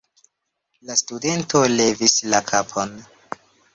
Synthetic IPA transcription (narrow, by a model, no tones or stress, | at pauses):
lastude̞ntole̞vislakʰapʰon